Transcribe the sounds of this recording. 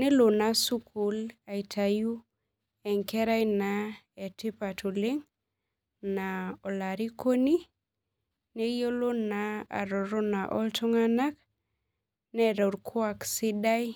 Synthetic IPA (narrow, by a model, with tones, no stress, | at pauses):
nɛ˦lo˨na˨su˦kʰu˨la˨i˨tʰa˨ju˦ | ɛ˨ŋkɛ˦ɾa˦jna˨ | ɛ˨ti˦pa˨tʰu˨li˦ŋ | na˨ɔ˨la˨ɾi˦ko˦ni˦ | ne˦jo˦lo˦na˨a̰˨ɾɔ˨ɾo˦na˨ʔɔ˦ltɔ˦ŋa˦na˦k | nɛ˨ɾɔ˨ɾkʰwa˨ksi˦da˦j